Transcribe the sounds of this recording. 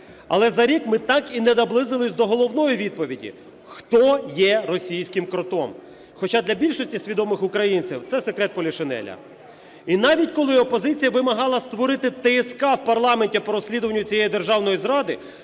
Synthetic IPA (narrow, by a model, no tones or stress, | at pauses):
ɐ̰lˠɛzɐɾʲikmɪt̪ɑkinɛnɐblˠɪzɪlˠɪsʲd̪ɔɦɔlˠɔwnɔjiʋʲid̪̚pɔʋʲidʲḭ | xt̪ɔjɛɾɔsʲijsʲkɪmkɾɔt̪ɔm | xɔt͡ʃɑd̪lʲɐbʲilʲʃɔsʲtʲisʲʋʲid̪ɔmɪxʊkɾɐjinʲt͡sʲɪ̰wt̪sɛsekɾɛt̪̚pɔlʲiʃenɛ̰lʲɐ̰ | inɑʋʲitʲkɔlˠɪɔpɔzɪt͡sʲijɐʋɪmɐɦɑlˠɐst̪ʋɔɾɪt̪ɪt̪ɛːskɑwpɐrlˠɑmenʲtʲipɔɾɔsʲlʲid̪ʊʋɐnʲːʊt͡sʲijɛjid̪erʒɑwnɔjizɾɑd̪ɪ